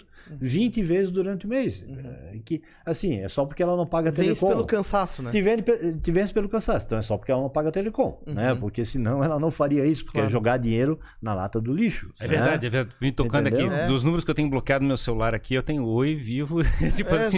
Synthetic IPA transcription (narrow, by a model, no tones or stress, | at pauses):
vĩnt̪ɪvezɪzd̪uɾɐ̃nt̪ɪʊmejskɪ | asĩɛ̰sɔpoɾkeɛlɐnɐ̃w̃paɡɐt̪eelẽskõelʊkɐ̃sasʊɛt̪ivẽd̪ɪpet̪ivɛ̃s̬ɪ̥pelʊkɐ̃sasʊẽt̪ɐ̃w̃ɛsɔpoɾkeɛlɐñpaɡɐt̪elekõnɛpoɾkesɪnɐ̃w̃ɛlɐnɐ̃w̃faɾiɐisʊpo̥ɾkeɛʒoɡaɾd̪ĩɲejɾʊ | nɐla̰t̪ɐd̪ʊliʃʊ̥ɛveɾɛdadd͡ʒɪɛveɪt̪õkɐ̃ned̪ad̪keid̪ʊznũmeɾʊskewt̪ẽɲʊblokɪad̪ʊnmewselulaɾakʰiewt̪ẽɲʊojvivʊt͡ʃipʊasĩ